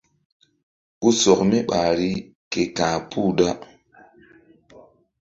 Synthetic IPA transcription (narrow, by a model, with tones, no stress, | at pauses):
ku˦sɔ˨k̚me˦ɓa˨ɾi˦ | ke˨kãː˨pʰu˦˨da˦